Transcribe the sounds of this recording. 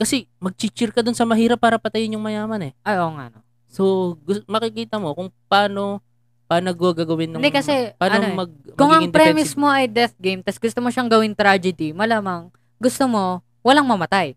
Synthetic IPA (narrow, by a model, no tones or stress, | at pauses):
kɐsɛmɐɡ̚t͡ʃit͡ʃɪɾkɐd̪onsɐmɐɦiːɾɐpːaːɾɐpɐt̪ɐjɪnjʊŋmɐjaːmɐnɛʔɐʔoŋa̰no | soɡʊsmɐkɪkiːt̪ɐmo̞kʊŋpaːno̞ | paːnɐɡuɡaɡɐwɪnːɐnd̪ɛkɐsɛpaːnɐnoomɐɡ̚mkʊŋɐɡɪnpɾɛːmɪsmo̞ʔɐjd̪ɛθɡejmt̪ɐsɡʊst̪omoʃaŋɡɐwɪnt̪ɾad͡ʒɛd̪imɐlaːmɐŋ | ɡʊst̪omo̞ | wɐlaŋmɐmɐt̪aj